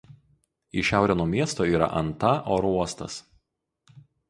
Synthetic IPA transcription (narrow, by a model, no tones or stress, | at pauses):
iˑʃʲæˑʊɾʲɛnoːmʲiɛst̪oːiːɾɐ̰ʔɐ̰nt̪ɐʔoːɾuɔst̪ɐs